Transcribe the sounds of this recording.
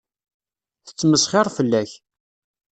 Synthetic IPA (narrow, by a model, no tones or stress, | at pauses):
θə̥t͡sːməsχeɾˤfəlːæç